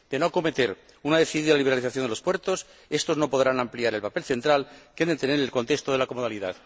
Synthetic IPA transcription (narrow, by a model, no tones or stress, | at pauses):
d̪̥e̞no̞ko̞me̞t̪e̞ɾ | unaðe̞θiðiðalaliβaliθaθjond̪elo̞spwe̞ɾt̪o̞s | e̞st̪o̞zno̞po̞ðɾanampliaɾe̞lpape̞lθe̞nt̪ɾalkend̪et̪eneɾelko̞nt̪e̞kst̪oðe̞lako̞moð̞aliða̰ð